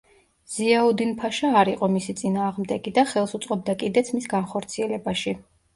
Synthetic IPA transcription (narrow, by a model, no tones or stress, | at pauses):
z̥iaud̪inpʰaʃaːɾiqʼɔmisit̪sʼinaːʁmd̪ɛɡid̪aχɛlˠsut̪sʼqʼɔb̚d̪akʼid̪ɛt̪sʰmisɡanχɔɾt̪sʰiɛlɛbaʃi